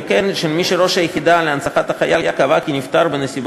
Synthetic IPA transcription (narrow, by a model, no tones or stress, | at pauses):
kenʃelmiʃeɾo̞ʃajeχid̪aleansaχat̪aχajajakavakinift̪aʁbenesib